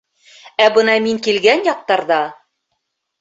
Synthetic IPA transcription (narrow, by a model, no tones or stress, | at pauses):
æbɤ̆nɑmiŋkilɡænjɒq̚t̪ɑɾðɑ